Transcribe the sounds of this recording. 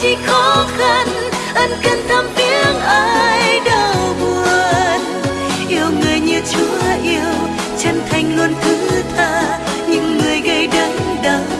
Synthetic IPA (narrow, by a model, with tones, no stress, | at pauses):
t͡ɕi˧˥xɔ˨˦xa˧n | ʔə˧˩jŋ̟kə˧˩nt̪ʰə˧mvi˧˥əŋʔə˧˦jɗə˨˩wwɓu˨˩əən | ʔi˧əwŋɨ˨˩əjɲɨ˧t͡ɕu˨˧˦ha˧˨jʔi˧əw | t͡ɕə˧nt̪ʰa˨˩jŋ̟lo˧nt̪ʰɨ˧˦t̪ʰaː˧ | ɲɨ̰˧˥ŋːɨ˨˩əjɣə˧jɗə˧˦ŋɗə˧˨˩w